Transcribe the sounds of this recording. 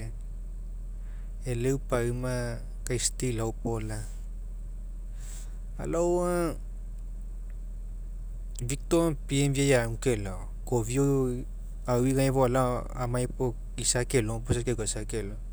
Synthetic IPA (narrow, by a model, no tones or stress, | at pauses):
elewpaɯma | kajstilawpola | a̰lawa | vik̚topiemviajaukela | kovio | awwiɡajβoala | a̰majpo | isakeloposakeɡasakelo